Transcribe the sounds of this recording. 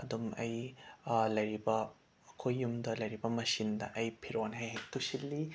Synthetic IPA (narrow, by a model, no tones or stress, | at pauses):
ɐd̪umɐ̰j | lɐjɾibɐ | kʰojːumd̪ɐlɐjɾibɐmɐsind̪ɐ̰ʔɐjpʰiɾonɦɐjɦek̚t̪usilːi